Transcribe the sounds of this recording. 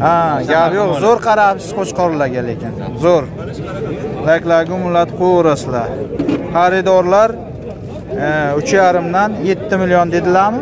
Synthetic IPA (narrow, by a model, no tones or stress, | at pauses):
aɡʲapjoqzoɾqʰɑɾapsɪ̥zqoʃqʰɒɾlaɡʲalekʲʰɪnzoɾ | lakʲlaɡʲʊmʊlːat̪qʰojɔɾasɪd̪aχaɾɪd̪ɒɾlaɾ | ʊt͡ʃʰjaɾɪmd̪anje̞t̪ʰːɪmɪlijɒnd̪e̞d̪ɪlaɾmɪ